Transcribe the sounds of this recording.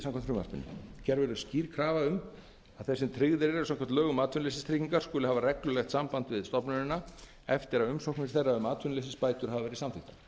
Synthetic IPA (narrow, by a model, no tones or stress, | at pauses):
sãmŋkʰamt̪fɾʏːma̰spɪ̰nːɪ̰çɛɾvɛɾʏsciːɾkʰɾaːvaʏm | aðθɛsːɪnt̪ʰɾɪɣðɪɾɪɾɛsamŋkʰɛm̥t̪lœːɣʏmaːt̪ʰːʏnlesɪst̪ʰɾiːciŋkaɾ̥skʏːlɪhaːvarɛklʏlɛxt̪sampant̪vɪðst̪ɔpnʏɾɪna | ɛft̪ɪɾaðʏmsowknɪ̥θejrːaʏmaːt̪ʰʏnles̬ɪspaːjt̪ʏɾ̥havavɛɾɪisamθɪht̪ḁ